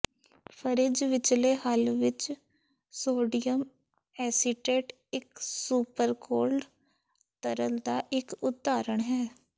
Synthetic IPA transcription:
pʰəɾɪd͡ʒʋɪt͡ʃleːɦəlʋɪt͡ʃ | soːɖijəm | ɛːsɪʈeːʈ | ɪksuːpəɾkoːɾɖ | t̪əɾəld̪aːʔɪkʊt̪ːaːɾəɳɦɛː

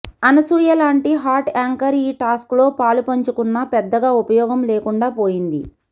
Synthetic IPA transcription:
ɐnɐsuːjɐlaːɳʈiɦaːɾʈaːŋkɐɾiːʈaːsklo̞ːpaːlupɐɲt͡ʃukunːɐpɛd̪ːɐɡaːupɐjɔːɡɐmleːkuɳɖaːpoːjind̪i

